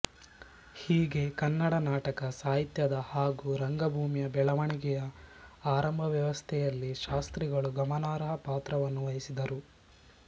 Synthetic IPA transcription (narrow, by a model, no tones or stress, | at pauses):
hiːɡe̞kɐnːɐɽɐnaːʈɐkɐsaːɦit̪jɐd̪ɐhaːɡuɾɐŋɡɐbʱuːmijɐbɛɭɐʋɐɳiɡɛjɐaːɾɐmbʱɐʋjɐʋɐst̪ʰɛjɐlːiʃaːst̪ɾiɡɐɭuɡɐmɐnaːɾɐɦɐpaːt̪ɾɐʋɐnːuʋɐjisid̪ɐɾu